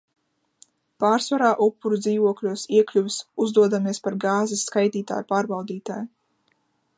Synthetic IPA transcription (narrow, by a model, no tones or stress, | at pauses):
paːɾsvaɾaːʔupːuɾud̪ziːvuɔklʲuɔsiɛklʲuvʲisuzd̪uɔd̪amiɛspaɾɡaːzisːkajt̪iːt̪a̰ːjpaːɾbawd̪iːt̪a̰ːj